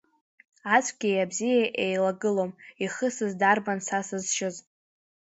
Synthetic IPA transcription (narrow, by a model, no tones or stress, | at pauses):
at͡sʷʰʼɡʲijabzijaʔejlaɡɨlomiχəsɨzdarbansasɨzʃɪz